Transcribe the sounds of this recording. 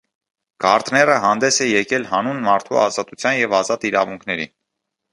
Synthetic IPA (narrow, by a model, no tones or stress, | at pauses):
ɡɑɾt̪nɛrəɦɑnd̪ɛsɛjɛkɛlhɑnunmɑɾt̪ʰṵɑzɑt̪ut͡sʰjɑnjɛvɑzɑt̪iɾɑ̰vuŋkʰnɛɾḭ